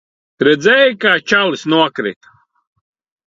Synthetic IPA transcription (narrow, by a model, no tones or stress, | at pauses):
ɾɛd̪zɛjkaːt͡ʃalisnuɔkɾḭt̪